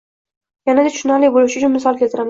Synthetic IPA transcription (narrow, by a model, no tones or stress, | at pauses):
janad̪eʃʊnalejbolˠuʃɪʊt͡ʃʰʊnmɪsɒlˠkʲelt̪ʰɪɾam